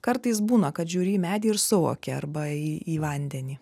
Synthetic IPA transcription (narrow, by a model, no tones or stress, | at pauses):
kɐɾt̪ɐɪs̬buːnɐkɐt̪ʒʲuːɾʲiːmʲæːd̪ʲiːɪɾsʊʋo̰ːkʲɛɐɾbɐiːiːʋɐnʲd̪ʲɛnʲiː